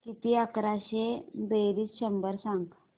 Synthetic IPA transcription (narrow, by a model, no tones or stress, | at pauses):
kit̪iəkɾaɕebeɾiːsɕəmbəɾsãŋɡ